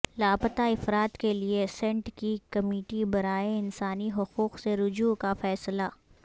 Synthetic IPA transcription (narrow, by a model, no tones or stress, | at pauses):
laːbət̪aɪfɾaːt̪keliesɛ̃ɳʈkikɐmiːʈibɐɾaːeɪnsaːniɦʊquːqseɾʊd͡ʒuːkafɛːslaː